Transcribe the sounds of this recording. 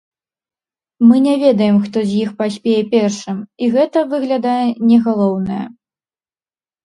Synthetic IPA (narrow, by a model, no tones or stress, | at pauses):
mɨnʲɛvʲɛd̪ɐjɛmxt̪ɔzʲjixpasʲpʲɛjɛpʲɛrʂɨmiɣɛt̪ɐvɨɣlʲad̪ajɛnʲɛɣalˠɔwnɐjɐ̰